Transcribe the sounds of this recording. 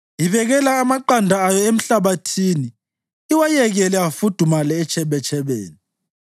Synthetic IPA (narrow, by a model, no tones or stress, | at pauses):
iβɛɣɛlaːmaǃandʱaajɔem̩ɬaβatʰini | iwajɛɣɛlɛafud̥ʱumalɛːt͡ʃʰʼɛβɛt͡ʃʰʼɛβḛːni